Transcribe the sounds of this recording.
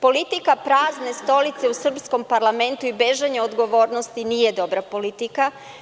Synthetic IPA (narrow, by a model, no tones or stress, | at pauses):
po̞lit̪ikapɾaːzne̞st̪o̞lit̪se̞usr̩psko̞mpaɾlˠame̞nt̪uibeʒaɲeod̪ɡo̞ʋo̞ːɾnost̪inije̞d̪o̞bɾapo̞lit̪ika